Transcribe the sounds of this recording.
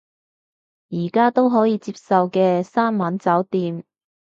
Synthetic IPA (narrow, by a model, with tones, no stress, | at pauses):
jiː˨˩kaː˥t̪o˥wɦɔː˨˥jiː˨˧t͡siː˧p̚sɐ˨wkɛː˧saː˥nmaː˨˥nt͡sɐː˨˥wt̪iː˧m